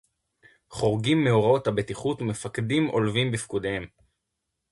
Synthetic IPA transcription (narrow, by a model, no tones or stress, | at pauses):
χo̞ʁɡimːe̞oʁao̞thabe̞tiχutume̞fakdimʔo̞lvimbifkud̪ehe̞m